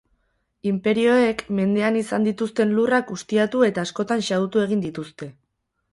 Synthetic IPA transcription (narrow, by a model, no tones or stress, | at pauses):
impe̞ɾio̞ekme̞nd̪e̞anisand̪it̪ust̪e̞nlurakust̪iat̪ue̞t̪aːsko̞t̪anʃaut̪ue̞ɣ̞ind̪it̪ust̪e̞